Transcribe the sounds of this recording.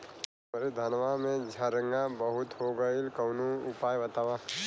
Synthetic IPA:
əɾed̪ʱənʋamẽd͡ʒʱəɾəŋɡãbəɦʊt̪ɦoɡəilkənuʊpaːjət̪aʋa

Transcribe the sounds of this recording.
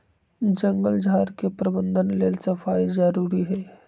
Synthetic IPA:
d͡ʒə̃ŋɡəld͡ʒʱaːɾkepɾɐbə̃nd̪ʱənleːlsɐfaːizəɾuːɾiɦɛː

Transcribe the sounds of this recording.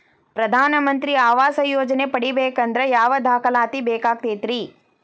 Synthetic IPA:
pɾɐd̪ʱaːnɐmɐnt̪ɾiaːʋaːsɐjoːd͡ʒɐnepɐɽibeːkɐnd̪ɾɐjaːʋɐd̪ʱaːkɐlaːt̪ibeːkaːk̚t̪eːt̪ɾi

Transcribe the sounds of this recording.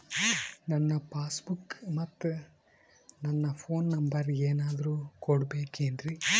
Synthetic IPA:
nɐnːɐpaːsbukmɐt̪ː | nɐnːɐpʰoːnːɐmbɐɾeːnaːd̪ɐɾuːkoɽbeːkeːnd̪ɾi

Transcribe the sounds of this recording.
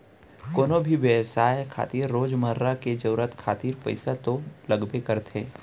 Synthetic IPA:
koːnobʱiʋesaːekʰa̰ːt̪iːɾːoːd͡ʒməɾːaked͡ʒəɾət̪kʰaːt̪iːɾpɐ̰ɪsat̪olɐɡbekɐɾt̪ʰẽː

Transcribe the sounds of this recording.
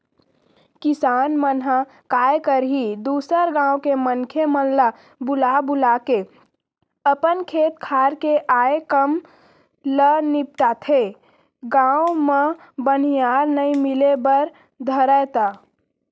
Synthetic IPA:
kisaːnmənɦa | kaekəɾɦid̪uːsəɾɡãːokemənkʰemənla | bʊlabulake | əpənkʰet̪̚kʰaɾkeʔaːekəm | lənip̚ʈat̪ʰe | ɡãwme | bənijaɾnəĩmilebəɾ | d̪ʱəɾət̪a

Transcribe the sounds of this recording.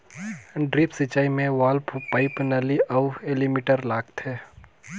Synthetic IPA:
ɖɾiːpsət͡ʃːaːimẽʋaːlpʰpaːɪpnəliɐwelimiːʈəɾlaːɡt̪ʰeː

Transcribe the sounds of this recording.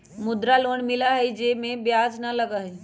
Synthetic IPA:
mʊd̪ɾaloːɳmɪlaɦɛid͡ʒeːmẽbjaːznəlɐɡaɦɛ

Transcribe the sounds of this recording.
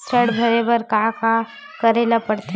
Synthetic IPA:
t͡ʃʰəɽbʱɐɾebəɾkaka | kəɾelapəɽt̪e

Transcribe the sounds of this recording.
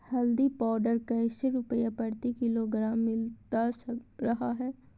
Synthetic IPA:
hɐld̪ipɔːɖəɾkɐɪʃeɾʊpəjapəɾt̪ikɪloɡɾãːmːɪlt̪asɾɐɦaɦɛː

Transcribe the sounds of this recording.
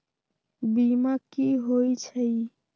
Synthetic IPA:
bimakiɦojt͡ʃʰəj

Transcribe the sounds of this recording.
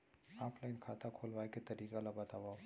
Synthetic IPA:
aːplajnkʰat̪akʰolʋajket̪ɐɾiːkalabat̪aʋaw

